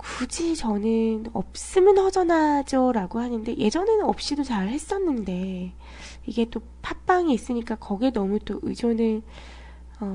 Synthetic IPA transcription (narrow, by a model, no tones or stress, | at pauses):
kud͡ʑit͡ɕʌnɯnʌ̰p̚s͈ɯmɯnhʌd͡ʑʌnad͡ʑʌɾaɡohanɯnde̞je̞d͡ʑʌne̞nɯnʌp̚ɕ͈idot͡ɕaɭhe̞s͈ʌnːɯnde̞ | iɡe̞t͈o | pʰap͈aŋiːs͈ɯɲik͈akʌɡenʌmut͈oʔɯ̰d͡ʑjonɯɭ | ʌ